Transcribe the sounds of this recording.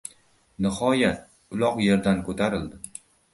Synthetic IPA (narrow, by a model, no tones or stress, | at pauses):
nɪhɒjat̪̚ | ʊlˠɒqje̞ɾd̪ankʰot̪ʰaɾɪld̪ɪ